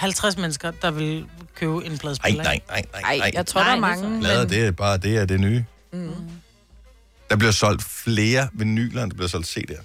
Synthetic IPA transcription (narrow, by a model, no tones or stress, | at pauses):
hælt͡sʰʁasmenəsɡ̥ɐd̥ɑ̈ʋe̝lkʰøːʊe̝npʰlɛðˠblnɑɪnɑɪ̰nɑɪ̰ɪ̰jt͡sʰʁoɐ̰dɑɐmɑŋʰlɛðˠɐd̥eb̥ɑ̈ːd̥e̝æɐd̥e̝nyː | d̥ɑ̈b̥liɐsɒ̽l̰d̥fle̝ːɐʋe̝ny̰ːlænd̥ɑb̥liɐsɒ̽l̰d̥se̝̰ːd̥heɐ̰